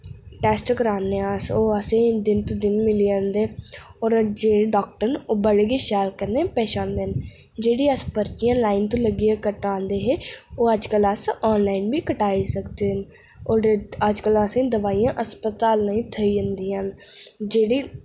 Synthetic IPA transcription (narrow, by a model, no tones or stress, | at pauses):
ʈɛːsʈkəɾaːnẽːasoːəsẽːd̪ɪnt̪õːd̪ɪnmɪliːãːnd̪eːɔːɾd͡ʒeːɖɔːk̚ʈəɾnoːbəɽeːɡeːʃɛːlkəɾneːpɛːʃãːnd̪eːɦn | d͡ʒeːɽiːəspəɾt͡ʃijãːlaːɪnt̪õːləɡiːaːkəʈãːnd̪eːɦeːoːəd͡ʒkələsɔːnlaːinbiːkəʈaːisəkd̪eːɦən | oːəd͡ʒkələsẽːd̪əʋaːijãːʔəspət̪aːlnəĩːt̪ʰəiːd͡ʒə̃nd̪iːɦənd͡ʒeːɽiː